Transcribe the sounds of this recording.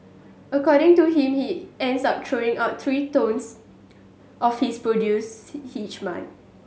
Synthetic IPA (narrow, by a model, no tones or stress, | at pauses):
əkɔɾɪ̃ŋtuɦĩmhiɛ̃ndsap̚tʰɹoɪ̃ŋaʊt̚t̪ʰɹitõns | ʔɔfhispɹodjushit͡ʃmã̰n